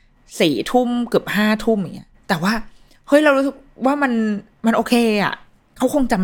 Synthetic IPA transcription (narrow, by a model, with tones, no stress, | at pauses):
siː˨˩t̪ʰu˥˩mkɯ˨˩p̚haː˥˩t̪ʰu˥˩mjŋːi˦˥ɐt̪ɛː˨˩waː˥˩ | hɤ˦˥˩jɾa˧wɾu˦˥sɯ˨˩k̚waː˥˩ma˧n | ma˧nʔoː˧kʰeː˧ʔa̰˨˩ʔ | kʰa˦˥wkʰo˧ŋt͡ɕa˧m